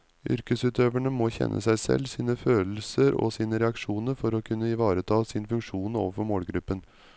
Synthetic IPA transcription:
ʔʏ̰ɾkəsʉːt̪ʰøːʋæɳəmɔːçɛ̰nʔə̰sæɪsɛ̰lsiːnəføːll̩səɾɔ̰siːnəɾɛɑkʂuːnəɾfɔɾɔkʰʉnːəɪʋɑːɾət̪ʰɑːsɪnfʉŋkʂuːno̰ːʋəɾfɔɾmoːlɡɾʉpːən

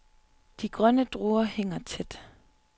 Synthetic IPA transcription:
d̥iɡ̥ʁɶnəd̥ʁoːɐheŋ̰ɐt͡sʰed̥

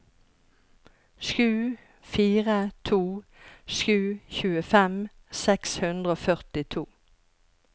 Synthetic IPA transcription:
ʃʉː | fiːʁət̪ʰuː | ʃʉːçʉːəfɛm | sɛkshʉnd̪ʁəoːfœʁt̪ɪt̪ʰuː

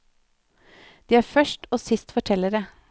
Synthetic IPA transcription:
d̪̥iːæːɾfœʃʈoːsɪst̪fɔʈʰɛləɾə

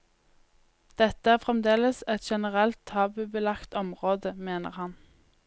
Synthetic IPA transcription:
d̪̥ɛt̪əæːʁfʁɛmd̪eːləsɛt̪ʃɛnəʁɛlt̪ʰtːɑːbʉbəlɑkt̪ɔmʁoːd̪əmeːnə̰ʁhɑn

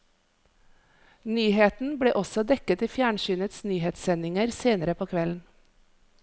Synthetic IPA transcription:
nyːheːt̪n̩bɽeːʔɔsɔd̪ɛkət̪iːfjæːɳʃyːnət̪snyːheːt̪sɛnɪŋəɾseːnəɾəpʰoːkʰʋɛln̩

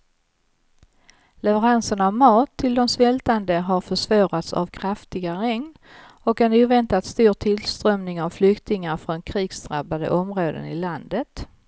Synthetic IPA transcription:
lɛvəɾansəɳavmɑːt̪ʰːɪld̪ɔmsvɛlt̪and̪əɦaɾfœʂvɑːɾat̪sa̰vkʰɾaft̪ɪɡaɾɛŋn | ɔkɛnuːvɛnt̪at̪st̪uːɾt̪ʰɪlst̪ɾœmnɪŋavflʏkt̪ɪŋaɾfɾɔnkʰɾiːɡ̥sd̪ɾabad̪ə̰ʔɔmɾoːd̪ə̰nɪ̰land̪ət̪

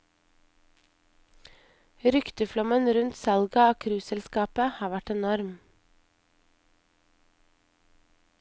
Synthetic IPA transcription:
ɾʏkt̪əflɔmənɾʉnt̪sɑlɡɑoːkʰɾʉːsɛlskɑːpəhɑːʋæʈɛnɔɾm

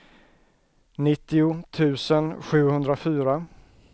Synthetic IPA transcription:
nɪt̪ːɪʊt̪ʰʉ̟ːsənɧʉ̟ːhɵnd̪ɾafyːɾa

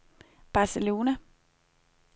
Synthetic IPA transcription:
b̥ɑ̈selo̝ːnæ

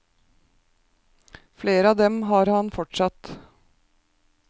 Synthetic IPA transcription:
fleːɾəɑːʋd̪ɛmɦɑːɾhɑnfɔʈʂɑt̪

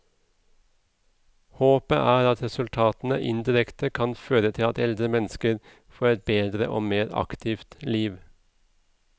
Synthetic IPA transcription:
hoːpəʔæːɾɑt̪ɾɛsʉlt̪ʰɑːt̪n̩ə̰ʔɪnd̪ɪɾɛkt̪əkʰɑnføːɾət̪ʰɪlɑt̪ɛld̪ɾəmɛnskəɾ | foːɾɛt̪̚beːd̪ɾə̰ʔoːmeːɾɑ̰kt̪ʰɪːft̪liːʋ

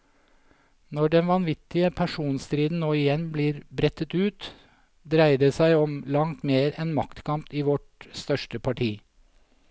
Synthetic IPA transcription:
nɔɖɛnʋɑnʋɪt̪ɪəpʰæʃuːnst̪ɾiːd̪n̩noːɪjɛnbliːɾbɾɛt̪ət̪ʉːt̪ | d̪ɾæɪɖeːsæɪɔmlɑŋt̪meːɾɛnmɑkt̪kʰɑmpiːʋɔʈst̪œʃʈəpʰɑʈʰiː

